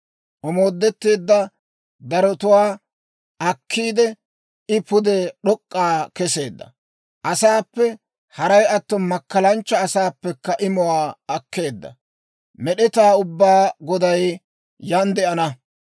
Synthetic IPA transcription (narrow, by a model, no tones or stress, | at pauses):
ʔɔmoːd̪ːɛt̪ːeːd̪ːɐ | d̪ɐɾɔt̪ʊwaː | ʔɐkʰːiːd̪ɛ | ɪpʊd̪ɛɗɔkʼːaːkɛse̞ːd̪ːɐ̰ | ʔɐsaːpːɛ | hɐɾɐjɐt̪ːɔnmɐkːɐlɐnt͡ʃːɐːsaːpːɛkːɐʔɪmɔwaːɐkʰːe̞ːd̪ːɐ̰ | mɛɗɛt̪aːʊbːaːɡɔd̪ɐj | jɐnd̪ɛʔɐnɐ